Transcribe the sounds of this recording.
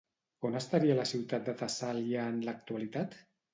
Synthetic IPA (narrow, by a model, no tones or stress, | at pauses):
onast̪aɾialasiwt̪at̪̚d̪ət̪asaljanlak̚t̪ualit̪at̪